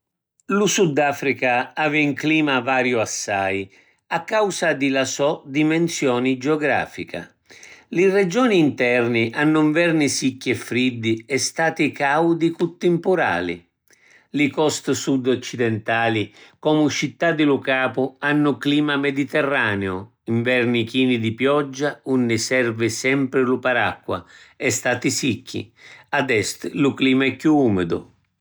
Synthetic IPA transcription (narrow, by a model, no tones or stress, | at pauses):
lusud̪ːaːfɾikaaːviuŋkliːmavaːɾjʊasːaj | akːawsad̪ɪlasɔd̪imɛnsjɔːnid͡ʒeɔɡɾa̰ːfḭka̰ | lɪrɛd͡ʒɔːniːnt̪ɛrniʔanːʊɱvɛrnisikːɛfːɾid̪ːiɛst̪aːt̪ikawd̪ikut̪ːɪmpʊɾa̰ːlḭ | lɪkɔst̪sud̪ɔt͡ʃːid̪ɛnt̪aːlikɔmʊt͡ʃit̪ːad̪ɪlʊkaːpʊanːʊkliːmamɛd̪it̪ɛrːaːneʊ | iɱvɛrnikiːnid̪ipjɔd͡ʒːaunːɪsɛrvɪsɛmpɾɪlʊpaɾakːwa̰ɛst̪aːt̪isikːḭad̪ɛst̪lʊkliːmaɛkːjuuːmɪd̪ʊ̰